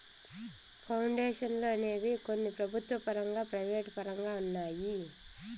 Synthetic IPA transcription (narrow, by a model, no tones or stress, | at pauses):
pʰɐwɳɖeːʂɐnlo̞ːne̞ːʋiko̞nːipɾɐbʱut̪ʋɐpɐɾɐŋɡaːpɾɐjʋeːʈpɐɾɐŋɡaːunːaːji